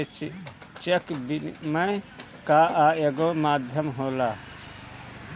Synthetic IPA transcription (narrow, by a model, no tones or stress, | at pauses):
t͡ʃekbinmɐj | kaːʔaːeɡomaːd̪ʱjɐmɦoːla